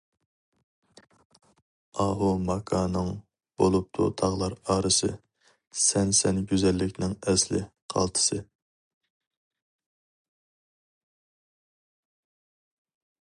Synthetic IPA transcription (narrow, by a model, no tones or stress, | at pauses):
ɑɦumɑkʰɑːnɨŋ | b̥olˠup̚t̪ʰṵt̪ʰɑʁlˠɑɾɑːɾɨsɨ̰ | sɛnsɛnɡʲyzɛlːɪkʲnɪŋɛslɪ̰qʰɑ̰lˠt̪ʰɨ̥sɨ